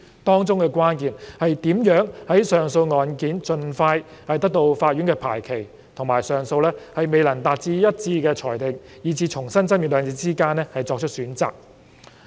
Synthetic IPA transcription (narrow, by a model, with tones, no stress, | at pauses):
t̪ɔː˥ŋt͡sʊ˥ŋkɛː˧kwaː˥nkiː˨nhɐ˨jt̪iː˨˥mjœː˨˥ŋhɐ˨˥jsœː˨ŋso˧wŋɔː˨˧nkiː˨˥nt͡ʃɵ˧nfaː˧jhɐ˨jt̪ɐ˥k̚t̪o˧wfaː˧t̚ɥyː˨˥ŋkɛː˧pʰa̰ː˨˩jkʰe˨˩j | t̪ʰʊ˨˩ŋmaː˨˩jsœː˨ŋso˧wlɛː˥hɐ˨jme˨˧jlɐ˨˩ŋt̪aː˨t̚t͡siː˧jɐ˥t̚t͡siː˧kɛː˧t͡ʃʰɔː˨˩jt̪ɪ˨ŋjiː˨˩t͡sʰiː˨˧t͡ʃʰʊ˨˩ŋsɐ˥nt͡sɐ˥mjyː˨t̚lœː˨˧ŋt͡siː˧t͡siː˥kaː˥nːɛː˥hɐ˨jt͡sɔː˧k̚t͡ʃʰɵ˥t̚syː˨˥nt͡saː˨k̚